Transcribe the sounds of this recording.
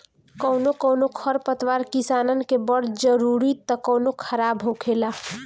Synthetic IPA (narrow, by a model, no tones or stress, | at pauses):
kəʊnokəːnokʰəɾpət̪ʋaɾkisaːnən̆kebəɽd͡ʒəɾuɾit̪əkəːnokʰəɾaːbɦokʰela